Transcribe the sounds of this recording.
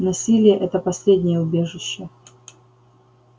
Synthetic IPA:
nɐsʲilʲɪjəʔɛt̪əpɐsʲlʲedʲnʲɪjəʊbʲeʐɨɕːə

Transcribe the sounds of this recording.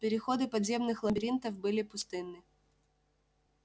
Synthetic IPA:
pʲɪɾʲɪxo̞d̪ɨpɐd̪ʲzʲe̞mnɨxlˠɐmbʲɪɾʲint̪əfbɨlʲɪpʊst̪ɨnːɨ

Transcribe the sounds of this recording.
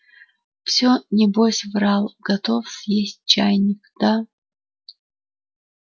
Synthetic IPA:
fsʲonʲɪbosʲvralˠɡ̥ɐt̪ofsjesʲt̚ʲt͡ɕajnʲɪkd̪̥a

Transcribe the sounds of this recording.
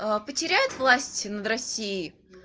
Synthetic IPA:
əpətʲɪɾʲæjʊt̪vlˠasʲtʲnəd̪ɾɐsʲːiɪj

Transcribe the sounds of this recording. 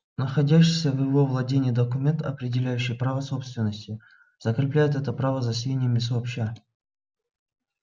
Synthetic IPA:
nəxɐdʲæɕːɪjsʲəvjɪvo̞vlˠɐdʲenʲɪjːd̪əkʊmʲe̞nt̪ɐpɾʲɪdʲɪlʲæjʉɕːɪjpɾavəso̞pst̪vʲɪnːəsʲtʲɪ | z̥əkɾʲɪplʲæjɪt̪ɛt̪əpɾavəzɐsʲvʲenʲɪjəmʲɪs̬opɕa

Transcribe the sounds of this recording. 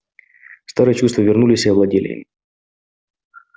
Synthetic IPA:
st̪aɾɨjɛt͡ɕust̪vəvʲɪrnulʲɪsʲəɐvlˠɐdʲelʲɪ̰ḭmʲ

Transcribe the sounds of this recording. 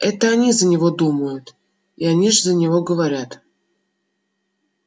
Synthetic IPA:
ɛt̪əanʲizənʲɪvod̪uməjʊt̪ | ianʲiʐzənʲɪvoɡəvaɾʲat̪

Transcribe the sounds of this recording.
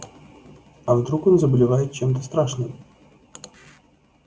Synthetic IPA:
ɐvd̪ɾuko̞nzəbəlʲɪvajɪt̪̚t͡ɕemt̪̬əst̪ɾaʂnɨm

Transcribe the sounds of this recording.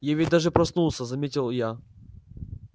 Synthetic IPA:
javʲid̚ʲd̪aʐɨpɾɐsnulˠsʲəzɐmʲetʲɪlˠja

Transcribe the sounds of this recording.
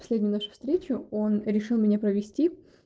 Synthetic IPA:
ɐ̥sʲlʲedʲnʲʊjnaʂʊ̥fst̪ɾʲet͡ɕʊonɾʲɪʂɨlˠmʲɪnʲapɾəvʲɪsʲtʲi

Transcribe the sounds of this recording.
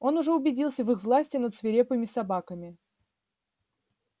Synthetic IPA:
o̞nʊʐɛʊbʲɪdʲilˠsʲəvɨxvlˠasʲtʲɪnət̪svʲɪɾʲepɨmʲɪsɐbakəmʲɪ

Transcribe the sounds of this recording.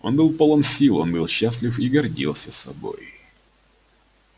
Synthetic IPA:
o̞̰nbɨlˠpolˠomsʲilˠo̞̰nbɨlˠɕːasʲlʲɪfiɡɐrdʲḭlˠsʲəsɐ̰bo̞̰j

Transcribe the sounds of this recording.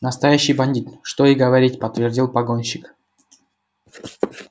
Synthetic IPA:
nəst̪ɐjæɕːɪjbɐnʲdʲit̪ʂt̪oiɡəvɐɾʲitʲpət̪vʲɪrdʲilˠpɐɡonʲɕɪk

